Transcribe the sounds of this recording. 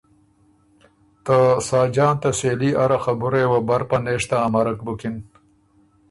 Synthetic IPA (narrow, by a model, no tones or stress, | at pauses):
t̪əsɑːd͡ʒɑːnt̪aseːliʔaɾaxabuɾewabɐɾpaneːʂt̪aːmɐɾɐk̚bukin